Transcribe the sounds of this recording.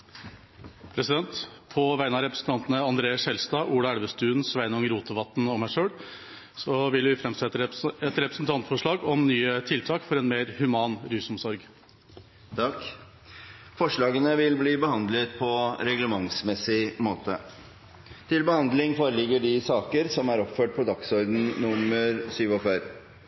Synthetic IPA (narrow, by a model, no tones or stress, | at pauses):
pʰɾɛsɪd̪ɛnt̪pʰɔʋæɪnɑɾɛpɾəsn̩t̪ɑnt̪ənəɑnd̪ɾeːəsɛlst̪ɑːʔuːɽɑæɽʋəst̪ʉːənsʋæɪnɔŋɾuːt̪ʰəʋɑt̪ːnɔmæʂøːɽ | sɔʋɪlʋɪfɾɛmsɛt̪ːəɾɛt̪ɾɛpɾəsnt̪ʰɑnt̪fɔʂɭɑːɡɔmnyːət̪ʰɪlt̪ʰɑːkfɔɾɛnmeːɾhʉmɑːnɾyːsɔmsɔɾɡ | t̪ʰɑk | fɔʂɭɑːɡənəʋɪlbliːbəhɑnd̪lət̪pʰɔɾɛɡləmɑŋsmɛsɪmoːt̪ə | t̪ʰɪlbəhɑnd̪lɪŋfoːɾəlɪɡːəɖɪsɑːkəɾsɔmæɾɔpføːʈ̚pʰɔd̪ɑksɔɾd̪n̩nʊməɾsyːʋɔfæɾ